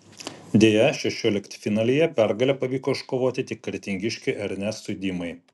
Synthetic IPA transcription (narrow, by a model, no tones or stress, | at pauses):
d̪ʲeːjɛʃʲɛʃʲoːlʲɪkt̪ʲfʲɪnɑːlʲiːjɛpʲæɾɡɐlʲɛpɐʋʲiːkoɪʃkoːʋoːt̪ʲɪt̪ʲɪkːɐɾʲt̪ʲɪŋʲɡʲɪʃʲkʲɪʔɐɾʲnʲɛsʊd̪ʲiːmɐɪ